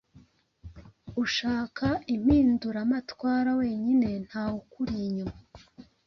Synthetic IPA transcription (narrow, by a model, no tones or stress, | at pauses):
uʃaːkʰaim̥iːnduɾamatwaːɾawe̞ːɲine̞n̥haːukuɾiɲo